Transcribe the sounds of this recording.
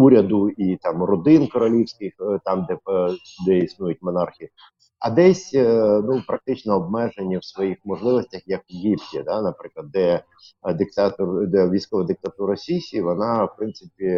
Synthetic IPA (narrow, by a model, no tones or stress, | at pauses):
uɾʲɐd̪ʊit̪ɑmrɔd̪ɪnkɔɾɔlʲiwsʲkɪxt̪ɑmd̪ɛd̪ɛisnujʊtʲmɔnɑrxʲii | ɐ̰d̪ɛsʲnupɾɐk̚t̪ɪt͡ʃnɔːb̚mɛʒenʲːiwsʋɔjixmɔʐlˠɪʋɔsʲtʲɐxjɐkɡʲipʲjʲid̪anɐpɾɪklˠɐd̪d̪ɛ | d̪ɪk̚t̪ɑt̪ɔrd̪ɛʋʲijsʲkɔʋɐd̪ɪk̚t̪ɐt̪uɾsʲisʲiʋɔnɑwpɾɪnt̪sɪpʲi